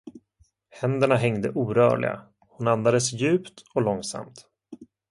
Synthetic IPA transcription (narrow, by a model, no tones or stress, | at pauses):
hɛnd̪əɳaɦɛŋd̪ə̰ʔuːɾœ̰ːɭɪ̰ɡa̰ | hʊnand̪ad̪əsjʉ̟ːpt̪ɔlɔŋsa̰mt̪